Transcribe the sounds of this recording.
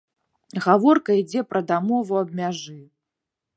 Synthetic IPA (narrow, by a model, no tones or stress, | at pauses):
ɣavɔrkɐid͡zʲɛpɾɐd̪amɔvuɐb̚mʲaʐɨ